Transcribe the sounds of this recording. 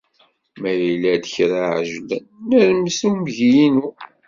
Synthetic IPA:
mæjilæd̪əçɾaʕʒlənːəɾmsumʝijinu

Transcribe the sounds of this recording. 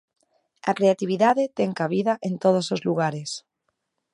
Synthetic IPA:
a̰kɾeat̪iβ̞iðaðet̪eŋkaβ̞iðaʔent̪oð̞osozluɣaɾes

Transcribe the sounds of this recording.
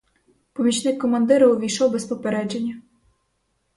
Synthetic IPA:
pɔmʲit͡ʃnɪkkːɔmɐnd̪ɪɾɐʊʋʲijʃɔwbɛspɔpeɾɛd͡ʒenʲːɐ

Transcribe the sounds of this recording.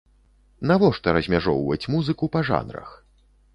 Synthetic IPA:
navɔʂt̪ɔɾɐzʲmʲaʐɔwvɐ̰t͡sʲmuzɨkupɐʐa̰nɾɐ̰x

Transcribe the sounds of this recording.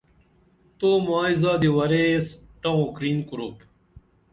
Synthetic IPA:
t̪oːmaːizaːd̪iwɐɾesʈɐ̃kɾiːnkuɾuːp

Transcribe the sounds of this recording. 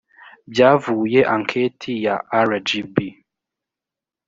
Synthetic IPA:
bjavuːjeʔaŋkʰetʰijaʔaɾad͡ʒibi

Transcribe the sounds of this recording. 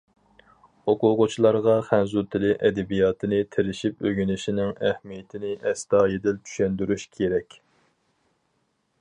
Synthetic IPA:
oqʊʁʊt͡ʃʰilˠɑɾʁɑχænzut̪ʰɪlɪʔɛd̪ɛbijɑːt̪ʰɨnɪt̪ʰeɾɪʃipøɡʲynɪʃinɪŋæhmijɛt̪ʰɪnɪʔɛst̪ɑːjed̪ɪlt͡ʃ̪ʰy̥ʃɛnd̪yɾyʃkʲʰeɾɛkʲ

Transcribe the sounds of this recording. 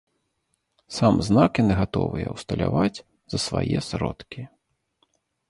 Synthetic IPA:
samznakjanɨɣat̪ɔ̰vɨjɛwst̪ɐlʲavat͡sʲ | z̥ɐsvajɛsɾɔt̪kʲi

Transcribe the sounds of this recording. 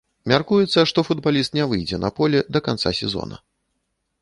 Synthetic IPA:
mʲarkujɛt̪sːɐʂt̪ɔfud̪balʲist̪nʲɛvɨjd͡zʲɛnʔɐ̰pɔlʲɛd̪ɐkant̪sa̰sʲɛzɔ̰nɐ̰

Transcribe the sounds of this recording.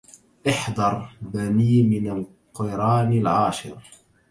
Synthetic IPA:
ʔɪħd̪ˤɑɾˤbaniːmɪnal | qɪɾˤɑːnɪlʕaːʃɪ̰ɾ

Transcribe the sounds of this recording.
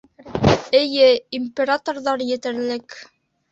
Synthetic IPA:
ɘ̆jɘimʲpʲeɾat̪orðɑɾjɘ̆t̪ɘ̆ɾlɘk

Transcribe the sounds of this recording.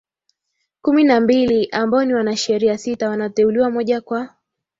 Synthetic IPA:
kuminambiliʔambaɔniwanaʃɛɾiasitawanatɛuliwamɔʄakwa

